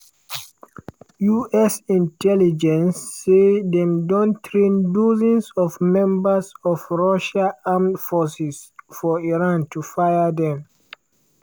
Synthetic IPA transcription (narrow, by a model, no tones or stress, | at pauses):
juʔɛsĩntʰɛlid͡ʒɛ̃nsːedɛ̃mdɔ̃ntʰɹẽnduzĩnsɔvmɛ̃mbəsɔvɹɔʃaamtfɔsisfɔiɹãntʰufajədɛ̃m